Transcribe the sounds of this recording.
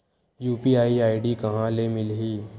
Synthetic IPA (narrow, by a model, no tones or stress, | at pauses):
juːpiaːiaːiɖikɐɦãlemɪlɦiː